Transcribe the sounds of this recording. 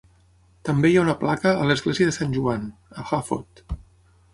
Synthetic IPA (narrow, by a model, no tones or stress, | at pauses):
t̪əmbejaunəplakəːləzɣleziəðəsanʲʒuanəxafo̰t̪